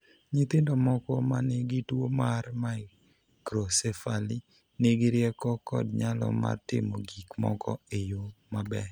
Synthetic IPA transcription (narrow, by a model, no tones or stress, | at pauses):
ɲɪt̪ɪndɔmɔkɔmanɪɡɪtwomarmaɪ | kɾosɛfali | nɪɡɪɾjɛkɔkɔ̰dɲalɔ̰ma̰rtɪ̰moɡikmɔ̰kɔejomabɛ